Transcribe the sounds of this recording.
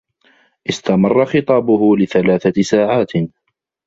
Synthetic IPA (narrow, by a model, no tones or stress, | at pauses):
ʔɪst̪amɑrˤːɑxɪt̪ˤɑːbʊhʊlɪθalaːθasaːʕaːt̪